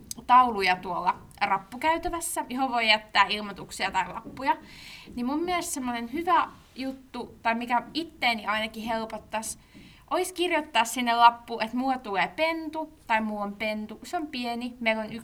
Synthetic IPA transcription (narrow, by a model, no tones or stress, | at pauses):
t̪ɑulujɑt̪uolːɑ | rɑpːukæyt̪æʋæsːæjihoʋʋoijæt̪ːæːilmot̪uksiɑt̪ɑilɑ̰pːujɑnimmummieest̪semːonenhyʋæ | jut̪ːut̪ɑimikæit̪ːeːniɑinɑkihelpot̪ːɑs | ʔoiskirjot̪ːɑːssinːellɑpːuːʔet̪muːt̪uleːpent̪ut̪ɑimuːompent̪useompienimeilonyk